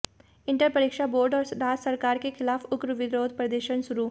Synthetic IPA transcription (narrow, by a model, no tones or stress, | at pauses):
ɪ̃ɳʈəɾpɐɾiːkʃaboːɾɖɔːɾɾaːd͡ʒsɐɾkaːɾkexʰɪlaːfʊkɾəʋɪd̪ɾoːd̪̚pɾɐd̪əʃənsʊɾuː